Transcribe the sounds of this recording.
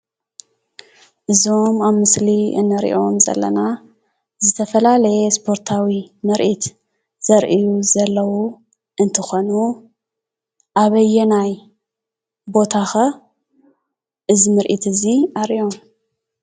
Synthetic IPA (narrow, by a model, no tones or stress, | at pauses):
ʔɨzo̞maβmɨsliɨ̰nːɨɾḭʔomzɐ̰lːɐ̰na | zɨt̪ʰɐfɐlalɐjespʰo̞ɾt̪ʰawimɨɾʔit̪ | z̥ɐɾʔijuzɐlːɐwu | ʔɨnt̪ʰɨxo̞nu | ʔaβɐjːɛnaj | bo̞t̪ʰaxɐ | ʔɨzimɨɾʔḭt̪ʰɨziʔaɾʔio̞m